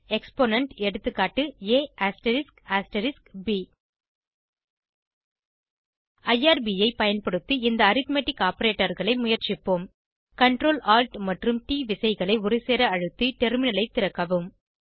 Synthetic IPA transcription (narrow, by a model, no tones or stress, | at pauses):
ɛkspoːnɐɳʈɛɽɯt̪ːɯkːaːʈːɯeːaːsʈɐɾɪskaːsʈɐɾɪskbi | ɐjaːɾbiːɐɪpɐjɐnpɐɽɯt̪ːɯɪnd̪ɐːɾɪt̪meːʈːɪkːaːpɐɾeːʈːɐɾɣɐɭɐɪmʊjɐɾt͡ʃɪpːoːm | kɐɳʈɾoːlaːlʈmɐʈrɯmʈiːʋɪsɐɪɣɐɭɐɪʊɾɪseːɾɐɐɻɯt̪ːiʈɛɾmɪnɐlɐɪt̪ːɪɾɐkːɐʋɯm